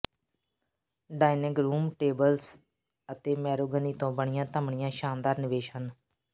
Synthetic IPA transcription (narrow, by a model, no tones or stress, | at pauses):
ɖaːɪnəɡɾuːmʈeːbəls | ət̪eːmɛːɾoːɡəniːt̪õːbəɳ̃ɪjãːt̪əmɳɪjãːʃaːnd̪aːɾnɪʋeːʃɦən